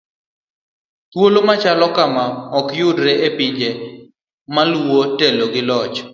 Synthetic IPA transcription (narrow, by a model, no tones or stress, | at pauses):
t̪wolomat͡ʃalɔkamaɔkjʊdɾeʔepɪɲd͡ʒe | malwoteloɡɪlɔt͡ʃ